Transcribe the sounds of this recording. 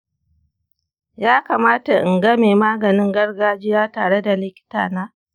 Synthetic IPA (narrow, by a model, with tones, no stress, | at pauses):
jaː˦kaː˨maː˦ta˨ʔɪ˨ŋɡɐ˦meː˨maː˦ɡɐ˨nɪ˦ŋɡɐ˦rɡaː˦d͡ʒɪ˦jaː˦taː˨ɽe˦da˨lɪ˦kʲɪ̥˦ta̰ː˨naː˦